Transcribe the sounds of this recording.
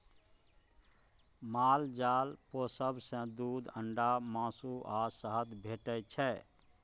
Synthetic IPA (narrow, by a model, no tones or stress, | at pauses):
mald͡ʒaːlposəbsə̃d̪ud̪əɳɖamãsuʔasəɦəd̪bʱeʈəjt͡ʃʰɛ